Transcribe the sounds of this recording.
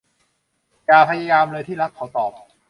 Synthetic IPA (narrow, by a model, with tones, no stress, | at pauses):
jaː˨˩pʰa˧jaː˧jaː˧mlɤː˧t̪ʰiː˥˩ɾa˦˥p̚kʰa˨˩˦t̪ɔː˨˩p̚